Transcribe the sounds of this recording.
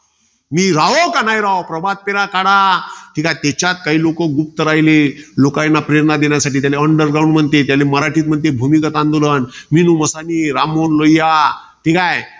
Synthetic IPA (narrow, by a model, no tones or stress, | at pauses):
miːɾaʋokanajɾaʋopɾəbad̪̚peɾakaɽaʈʰikajt̪ɛt͡ɕjat̪̚kaɦiːlokəɡup̚t̪əɾajlelokajnːapɾeɾnad̪enjasaʈ̬iːt̪jaleəɳɖəɾɡɾaw̃ɳɖm̤əɳt̪et̪jaleməɾaʈʰiːt̪̚m̤əɳt̪̬ebʱumikət̪and̪ulənminuməsaniːɾamonlojja | ʈʰikaj